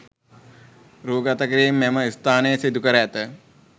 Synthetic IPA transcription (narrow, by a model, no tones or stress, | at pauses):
ɾuːɡat̪əkəɾiːmːɛməist̪aːnəjəsid̪ukəɾəːt̪ə